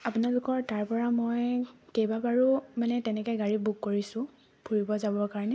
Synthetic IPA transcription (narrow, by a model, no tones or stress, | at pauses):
apʊnalʊkɔɹtaɹpɔɹamojkejbabaɹumanɛtɛnɛkɔjɡaɹibukːoɹisʊ̃ | b̥ʰʱuɹibɔzabɔkaɹɔnɛ